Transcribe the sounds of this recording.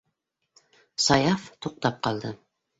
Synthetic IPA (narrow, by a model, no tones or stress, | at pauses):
sajaft̪ʰoq̚t̪ap̚qʰɑlˠd̪ɪ